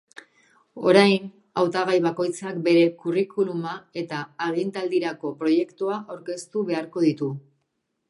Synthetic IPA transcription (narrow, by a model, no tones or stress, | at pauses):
o̞ɾajn | awt̪aɣ̞ajβako̞jt͡sakbe̞ɾe̞kurikulumae̞t̪aːɣint̪ald̪iɾako̞pɾo̞je̞kt̪uaʔawɾke̞st̪uβe̞aɾko̞ðit̪u